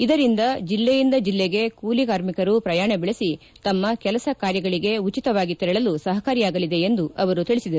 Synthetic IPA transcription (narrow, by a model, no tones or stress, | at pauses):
id̪ɐɾind̪ɐd͡ʒilːejind̪ɐd͡ʒilːeɡe̞kuːlikaːɾmikɐɾupɾɐjaːɳɐbɛɭisi | t̪ɐmːɐkɛlɐsɐkaːɾjɐɡɐɭiɡe̞ut͡ʃit̪ɐʋaːɡit̪ːɛɾɭɐlusɐɦɐkaːɾijaːɡɐlid̪e̞end̪uʔɐʋɐɾut̪iɭisid̪ɐɾu